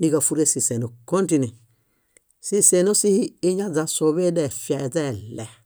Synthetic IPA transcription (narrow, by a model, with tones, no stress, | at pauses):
ni˦ka˨fu˦ɾe˦si˨se˨no˨ko˦nti˦˨ni˨ | si˦se˨no˦si˦hi˦i˦ɲa˦za˨so˨βe˦dɛ˨fja˨zɛ˦˨lɛ˨